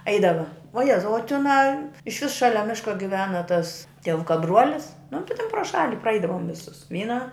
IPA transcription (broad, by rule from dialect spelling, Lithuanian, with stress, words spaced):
ˈɐɪdɐʋɐ ʋuɔ ˈjæːzɐʊ oː tʲɪˈnɑː ɪʃ ʋʲɪs ˈʃɑːlʲɛ ˈmʲɪʃkɐ ɡʲɪˈʋʲæːnɐ tɐs tʲiɛˈʋʊkɐ ˈbruɔlʲɪs nʊ tʲɪ tʲɛn proː ˈʃɑːlʲɪ prɐˈɐɪdɐʋoːm ʋʲɪˈsʊs ˈʋʲiːnɐ